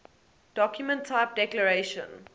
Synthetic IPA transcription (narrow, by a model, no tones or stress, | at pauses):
d̥ɔkjumə̃ntʰːaɪp̚dɛkləɹeɪʃə̰̃n